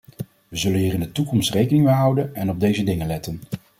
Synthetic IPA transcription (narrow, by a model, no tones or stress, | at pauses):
ʋəzɵlənɦiːrɹɪndətukɔmstrejkənɪŋmeɦʌwdənɛnɔb̚dejzədɪŋənlɛtən